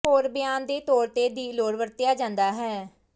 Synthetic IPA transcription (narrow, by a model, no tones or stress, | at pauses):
oːɾbɪjaːnd̪eːt̪ɔːɾt̪eːd̪iːloːɽʋəɾt̪ɪjaːd͡ʒãːnd̪aːɦɛː